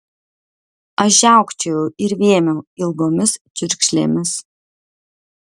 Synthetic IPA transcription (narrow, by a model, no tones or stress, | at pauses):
ɐʒʲæˑʊkt͡ʃʲɛjuɪɾʋʲiɛmʲɛːɪlˠɡoːmʲɪssʲʊɾʲkʃʲlʲḛːmʲɪs